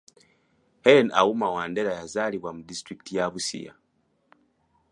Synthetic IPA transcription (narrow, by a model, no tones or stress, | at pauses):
hena̰umawaːndeɾajazaliβwamudistɾiki̥tʰijaβusḭja̰